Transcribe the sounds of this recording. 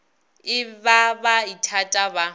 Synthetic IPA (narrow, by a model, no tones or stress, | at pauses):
ɪbabaitʰatʼaba